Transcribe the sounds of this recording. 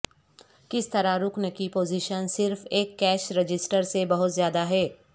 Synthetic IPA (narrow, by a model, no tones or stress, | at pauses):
kɪst̪ɐɾaɾʊknəkipoːziʃənsɪɾfeːkːɛːʃɾed͡ʒɪsʈəɾsebɐɦʊt̪zjaːd̪aɦɛː